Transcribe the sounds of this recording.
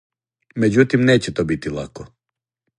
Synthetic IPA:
med͡ʑut̪imneːt͡ɕɛt̪obit̪ilˠa̰ko

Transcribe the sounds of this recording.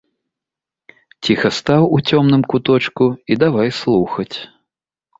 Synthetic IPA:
t͡sʲixɐst̪awut͡sʲɔmn̪ɨmkut̪ɔt͡ʂkuid̪avajslˠuxɐt͡sʲ

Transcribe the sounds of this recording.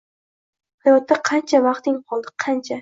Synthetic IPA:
hajɒt̪ːaqʰɑnt͡ʃʰamɑχt̪ɪŋqʰɒlˠd̪ɪqʰɑnt͡ʃʰa

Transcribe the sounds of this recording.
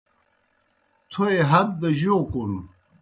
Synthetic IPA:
t̪ʰoeɦɐd̪̚ːɐʑoːkunu

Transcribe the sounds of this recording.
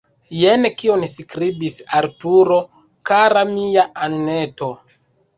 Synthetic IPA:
jenkio̞nskɾibisaɾtuɾo̞ | kaɾamijaʔanneto̞

